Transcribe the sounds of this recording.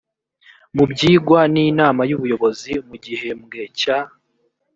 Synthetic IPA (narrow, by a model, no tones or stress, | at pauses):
mubɟiːɡwaniːnaːmajuβujo̞βo̞zimuɟihe̞mɡe̞ca